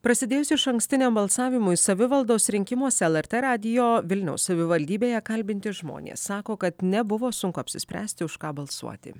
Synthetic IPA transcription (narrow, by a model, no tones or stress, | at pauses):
pɾɐsʲɪd̪ʲeːjʊsʲɪɪʃɐŋksʲt̪ʲɪnʲembɐlˠsɑːʋʲɪmʊɪsɐʋʲɪʋɐlˠd̪oːsɾʲɪŋʲkʲɪmoːsʲɛlˠɛɾt̪ʲeɾɑːd̪ʲɪjoːʋʲɪlʲnʲɛ̰ʊssɐʋʲɪʋɐlʲd̪ʲiːbʲeːjɛkɐlʲbʲɪnʲt̪ʲɪʒmo̰ːnʲḛːsːɑːkoːkɐt̪nʲɛbʊʋoːsʊŋkʊɐpʲsʲɪsʲpʲɾʲæ̰ːsʲt̪ʲɪʊʃkɑːbɐlˠsṵɔt̪ʲɪ̰